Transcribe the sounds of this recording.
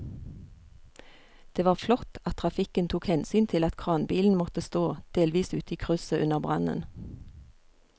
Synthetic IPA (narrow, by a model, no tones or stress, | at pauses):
d̪̥eːʋɑːʁflɔt̪ɑt̪̚ʰʁɑfɪkənt̪ʰuːkhɛnsyːnt̪ʰɪlɑt̪kʰʁɑːnbiːln̩mɔt̪əst̪oːd̪̥eːlʋiːsʉːt̪əiːkʰʁʉsəʔʉnəʁbʁɑ̰nə̰n